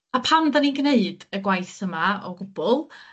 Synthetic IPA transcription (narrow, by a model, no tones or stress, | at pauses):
apʰamdaninɡneɨd̥əɡwajθəmaɔɡʊb̥ʊlˠ